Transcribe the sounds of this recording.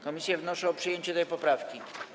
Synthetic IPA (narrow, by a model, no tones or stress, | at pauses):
kɔmʲisʲjavnɔʂɛɔpʂɨjeɲt͡ɕɛt̪ɛjpɔpɾafkʲi